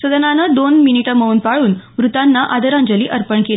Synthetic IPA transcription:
səd̪ənanəd̪onminiʈəməuːnpaɭuːnʋɾut̪anːaʔad̪əɾãɲd͡ʑəliːʔəɾpəɳkel

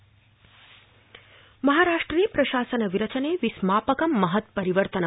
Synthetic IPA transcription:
mɐɦaːɾaːʂʈɾɐniːpɾɐʃaːsɐnɐʋiɾɐt͡ʃɐneːʋismaːpɐkɐmːɐɦɐt̪pɐɾiʋəɾt̪ɐnɐ

